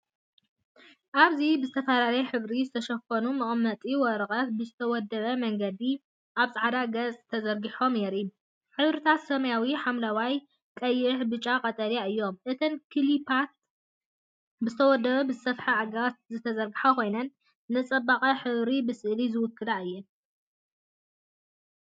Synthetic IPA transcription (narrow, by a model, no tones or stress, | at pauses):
ʔaβzibɨzɨt̪ʰɐfalalɐjħɨβɾizɨt̪ʰɐʃɐfɐnumɨχʼmːɐt̪ʼiwɔɾɐχʼɐt̪̚bɨzɨt̪ʰɐwɔd̪ːɐβɐmɐŋɡɐd̪i | ʔaβsʼaʕd̪aɡɐt͡sʼt̪ʰɐzɐɾɡiħo̞mneɾi | ħɨβɾɨt̪ʰat̪sɐmɐjawiħamlawaj | kʼɐjːɪħbɨt͡ʃʼːakʼɐt̪ʼɐljaɨjːo̞mʔɨt̪ʰɐnkʰɨlipʰat̪̚ | bɨzɨt̪ʰɐwɔd̪ːɐβɐbɨzɨsɐfħaaɡɐβat̪̚zɨt̪ʰɐzɐɾɡɨħakʰo̞jnɐnː | ɨt͡sʼɐbaχʼɐħɨβɾibɨsɨʔlizɨwʊkːɨlaɨjːɛ